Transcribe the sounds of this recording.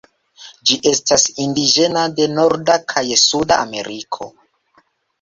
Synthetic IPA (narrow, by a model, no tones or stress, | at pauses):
d͡ʒiʔe̞stasindid͡ʒe̞nade̞no̞ɾdakʰajsudaːme̞̰ɾikʰo̞̰